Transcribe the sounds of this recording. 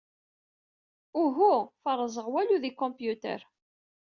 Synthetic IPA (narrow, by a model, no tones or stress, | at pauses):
uɦufərˤːəzˤəʁwæluðikɔ̃mpjut̪ə̰ɾ